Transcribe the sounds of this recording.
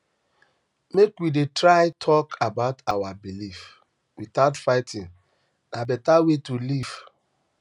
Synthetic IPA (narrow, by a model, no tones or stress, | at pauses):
mekwidetɹaɪtʰɔkʰabaʊtawabilif | witaʊtfaɪtʰĩn | nabɛtawetuliv̥